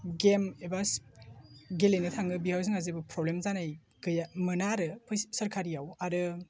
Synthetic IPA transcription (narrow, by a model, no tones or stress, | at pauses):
ɡemebas | ɡelenɯtʰaŋɯbihaws̬ɯŋazebɯpʰɾɔblemzanaj | ɡɯjamɯnaɾɯpʰɯjsɐɾkʰaɾijawaɾɯ